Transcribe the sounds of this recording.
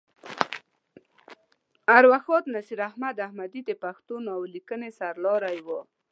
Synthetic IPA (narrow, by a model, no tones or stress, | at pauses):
aɾwaxɔt̪nasiɾahmad̪ahmad̪id̪epaxt̪unawlikənesaɾlɔɾajwo